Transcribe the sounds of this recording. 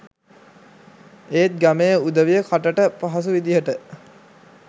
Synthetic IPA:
eːt̪̚ɡæmejəud̪əʋijəkʰaʈəʈəpaɦas̬uʋid̪ijəʈə

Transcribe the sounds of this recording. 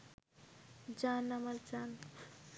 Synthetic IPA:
d͡ʒanamaɾd͡ʒan

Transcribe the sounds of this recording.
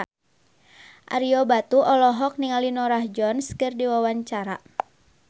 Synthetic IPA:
ʔa̰ɾiɔbat̪uʔɔlɔɦɔk̚niŋalinɔɾahd͡ʒɔnskɨrdiwawaɲt͡ʃaɾa

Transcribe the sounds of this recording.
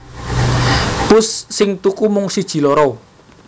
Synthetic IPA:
pʊsːɪŋt̪ukumʊŋsid̥ʒ̥i̤lɔɾɔ

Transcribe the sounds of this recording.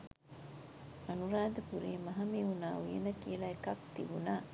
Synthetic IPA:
ɐnuɾaːd̪epuɾiːmɐɦɐmiunaːujḛnɐkiɐlɐekɐk̚t̪ḭbunaː

